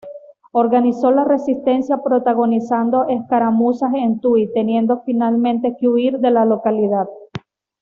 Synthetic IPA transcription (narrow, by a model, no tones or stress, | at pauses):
o̞ɾɣaniso̞lare̞sist̪e̞nsjapɾo̞t̪aɣo̞nisand̪o̞ʔehkaɾamusasent̪uit̪e̞nje̞nd̪o̞finalmẽnt̪e̞keuiɾðe̞lalo̞kalið̞að